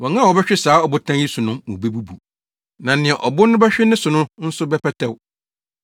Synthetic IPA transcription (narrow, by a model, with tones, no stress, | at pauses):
wɔ̃˨ŋã˦˨wɔ˨bɛ˦ɕᶣɪ˦saː˨˦ɔ˨bʊ˨tʰã˦ji˦su˨nʊ̃˦mṵ̃˨be˦bu˦bu˨ | nã˨nɪ̃˨ɛ˨ʔɔ˨bʊ˦nʊ̃˦bɛ˦ɕᶣɪ˦nɪ̃˦sʊ˨nʊ̃˦n̩˦sʊ˦bɛ˦pʰɛ˦tʰɛ˦w